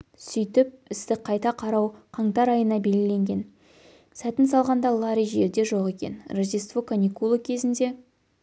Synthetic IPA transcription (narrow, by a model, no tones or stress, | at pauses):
sʏjt̪ɪp̚ɪst̪ɪqʰɑjt̪ɑqʰɑɾɑwqʰɑŋt̪ɑɾɑjənɑbe̞lɡʲɪle̞ŋɡʲe̞n | sæt̪ɪns̬ɑlˠʁɑnd̪ɑlˠaɾijʒe̞ɾd̪e̞ʒo̞qe̞kʲe̞̰nrazist̪vokanʲikulˠəkʲʰe̞zɪnd̪e̞